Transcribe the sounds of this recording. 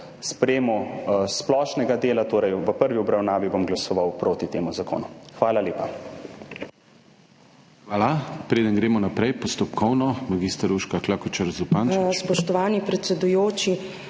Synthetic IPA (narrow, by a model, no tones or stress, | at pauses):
spɾɛeːmɔsplɔːʃnɛɡad̪eːlat̪oːɾɛjʋəpəɾʋiɔbɾawnaːʋibomɡlasɔʋawpɾoːt̪it̪eːmuzako̰ːnuxʋaːlaleːpa | xʋaːlapɾeːd̪ənɡɾeːmɔnapɾɛjpɔst̪ɔpkʰɔwnɔmaɡist̪aɾuʃkaklakut͡ʃaɾzupanspɔʃt̪ɔʋaːnipɾɛt̪sɛd̪ujoːt͡ʃi